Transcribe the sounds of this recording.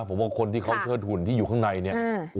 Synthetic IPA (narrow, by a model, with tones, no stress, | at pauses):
pʰo˩˦mwaː˧˩kʰo˧nt̪iː˥˩kʰa˦˥wt͡ɕʰɤː˥˩t̪̚hu˨˩nt̪ʰiː˥˩juː˨˩kʰa˥˩ŋna˧jni˥˩